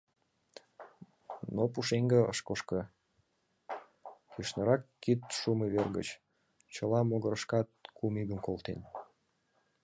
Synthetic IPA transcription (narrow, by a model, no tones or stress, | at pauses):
nopuʃeŋɡə̆ə̰ʃkoʃkə̆ | jyʃnəɾɑkːit̪ʃumeβerɣə̰t͡ɕ | t͡ɕəlɑmoɣəɾəʃkɑt̪̚kʰumiɣəmkolt̪en